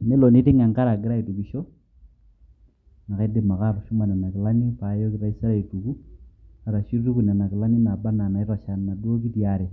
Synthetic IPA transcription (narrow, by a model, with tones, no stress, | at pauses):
ne˦lɔ˨ne˦te˦ŋa˨ŋka˦ɾa˨ɡɪ˦ɾa˦i˨tu˨ki˨ʃo˦ | na˨ka˦de˨ma˨ka˦˨ɾu˨ʃu˦ma˨na˨na˨kɪ˨la˦ni˦pa˨˦jo˦kɪ˨ɾa˦i˦sa˦ɾa˨i˨tu˨ku˦a˨ɾa˨ʃu˦i˦ku˨n˨a˨na˨kɪ˨la˦ni˦na˨ba˦na˨na˨i˦ɾa˨ʃa˨nːa˨dwo˦k̬i˦tja˨˦ɾe˨